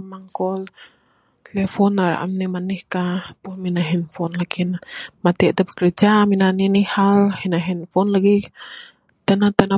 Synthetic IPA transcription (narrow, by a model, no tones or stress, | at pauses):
maŋkɔl | t̪ɛlɛfɔnːaɾa̰ʔa̰mnɛmanihkapuhminaɦɛnfɔnlakinmat̪iat̪apkərd͡ʒaminaninihalhinaɦɛnfɔnlaɡi | t̪anat̪ana